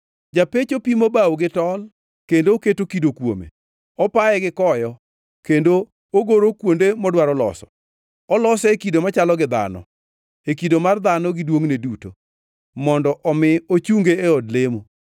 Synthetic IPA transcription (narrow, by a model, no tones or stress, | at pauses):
d͡ʒapet͡ʃopimobawɡɪtɔl | kendooketokidokwo̰mḛ | ɔpaɛɡɪkɔjɔ | kendo | oɡoɾokwondemɔdwaɾɔlɔ̰sɔ̥̰ | ɔlɔsɛekidomat͡ʃalɔɡɪd̪a̰nɔ̰ | ekidomard̪anɔɡɪdwoŋneduto̰ | mɔndɔʔɔmɪot͡ʃuŋɡeeɔdlemo